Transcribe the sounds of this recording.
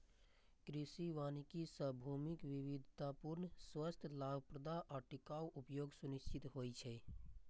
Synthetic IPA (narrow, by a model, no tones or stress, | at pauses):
kɾisiʋanikisəbʱumikʋiʋid̪ʱt̪apuɾnswəst̪ʰəlabʱəpɾəd̪aʔɔːʈikawʔupjoɡsuniʃt͡ʃʰit̪ɦojt͡ʃʰɛ